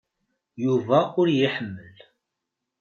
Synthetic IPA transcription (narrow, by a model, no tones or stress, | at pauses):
juvæʊɾjəħəmːəl